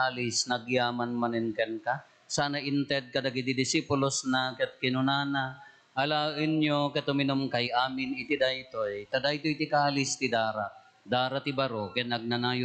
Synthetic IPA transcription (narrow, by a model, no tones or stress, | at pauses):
alɪsnɐɡjaːmanmanɛnkɛnka | saːnaʔɪnt̪ɛd̪̚kɐd̪aɡid̪id̪ɪsipʊlosnakɛt̪̚kɪnʊnaːna | ʔːlaːʔɪnjokɛt̪ʊmɪnomkajʔaːmɪnɪt̪ɪd̪ajt̪ojt̪ad̪ajt̪ojt̪ɪkaːlɪst̪ɪd̪aːɾa | d̪aːɾat̪ɪbaɾokɛnɐɡ̚nanaːjʊ